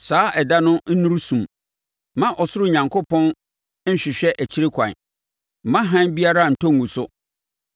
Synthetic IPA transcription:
saː˨˦ʔɛ˨da˦nʊ̃˦n̩˦nũ˦ɾsũ˨m | mã˦ʔɔ˨sʊ˦ɾʊ˦˨ɲã˨ŋkʰo˦pɔ̃˦n̩˦ | ɕᶣɪ˨ɕᶣɛ˦ʔæ˨t͡ɕʰi˦ɾɪ˦kʷʰã̰˨n̩˨ | mã˦ɦã˦nbi˦a˦ɾa˦˨n̩˨tʰɔ˦ŋː˨ũ˨sʊ˦

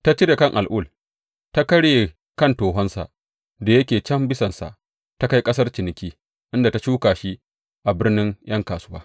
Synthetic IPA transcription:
ta˦t͡ʃɪ˦ɾe˨kɐ˦˨ŋʔa˨lʔʊ˦˨l | ta˦kɐ˦ɽje˨ | kɐ˦˨ntoː˨ɦɔ˦nsa̰˨ʔ | da˨jɐ˦kʲeː˨t͡ʃɐ˦mbɪ˦sɐ˨nsa̰˨ʔ | ta˦ka˦jkʼɐ˦s̬ɐ˦rt͡ʃɪ˨nɪ˦kʲiː˦ | ʔɪ˦nda˨ta˨˦t͡ʃuː˦kaː˨ʃi˦ | ʔa˨bɪ˦rnɪ˦ŋj̰ʔɐ˦ŋkaː˨sʊ˦waː˦

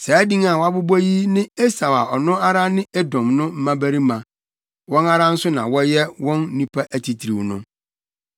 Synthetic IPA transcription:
sɛ˨˦dĩ˦ŋa˨wa˦bʊ˦bɔ˦ji˦nɪ̃˦e˦sa˨wa˨ʔɔ˨nʊ̃˦a˦ɾa˦nɪ̃˦e˦dɔ̃˨mnʊ̃˦m̩˦mã˦bæ˦ɾi˦mã˨ | wɔ̃˦na˦ɾã˦n̩˦sʊ˦nã˨wɔ˦jɛ˦wɔ̃˦n˦nũ˦pʰa˦ʔæ˨tʰi˨tʰi˨ɾi˨wnʊ̰̃˦

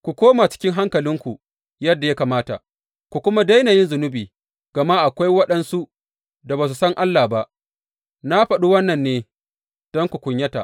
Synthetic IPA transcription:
kʷu˨kʷoː˦maː˨t͡ʃɪ̥˦kʲɪ˦ŋɦa˦ŋkɐ˨lɪ˦ŋkʷu˨ | jɐ˦dːa˨ja˦kaː˨maː˦ta̰˨ | kʷu˨kʷʊ˦ma˦da˦jnaː˨jɪ˦nzʊ˨nʊ˦biː˨ | ɡ̥ɐ˨ma˦ʔa˨kʷa˦jwɐ˦ɗɐ˦nsu˦ | da˨baː˨s̬u˨sɐ˦ŋʔa˦lːaː˨ba˦ʔ | na˦ɸɐ˨ɗu˦wɐ˦nːɐ˨nːeː˦ | d̥ɔ˦ŋkʷu˨kʷʊ˨ɲjɐ˦ta̰˨ʔ

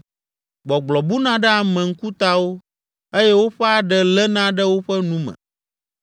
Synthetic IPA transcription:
ɡ͡bɔ˨ɡ͡blɔ˨bu˦nã˦ɖɛ˦a˨mɛ̃˨ŋ̩˦ku˦t̪a˦wo˦ | e˦jɛ˦wo˦ɸɛ˦a˨ɖɛ˦lɛ˦nã˦ɖə˦wo˦ɸɛ˦nũ˦mɛ̰̃˨

